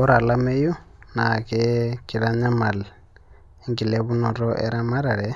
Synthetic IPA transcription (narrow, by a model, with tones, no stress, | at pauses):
o˦ɾa˨la˦me˦ju˦na˨keki˨ɾa˦ɲa˦ma˨l | e˦ŋɡi˨leβu˦nɔ˨ɾɔʔḛɾa˦ma˦ɾa˨ɾe